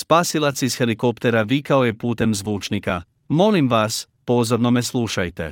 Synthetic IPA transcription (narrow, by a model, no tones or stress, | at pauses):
spaːsilˠat̪sisxeliko̞pt̪e̞ɾaʋikaojepuːt̪e̞mzʋuːt͡ʃnika̰ | mo̞limʋas | po̞zo̞ɾnomɛslˠuːʃajt̪ḛ